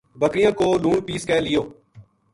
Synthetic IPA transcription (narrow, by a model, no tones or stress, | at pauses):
bəkɾɪjãːkoːluːɳpiːskɛːlɪjoː